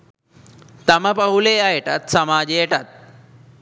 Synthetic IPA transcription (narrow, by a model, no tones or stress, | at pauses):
t̪ɐməpəuleajeʈat̪sɐmaːd͡ʑejeʈat̪̚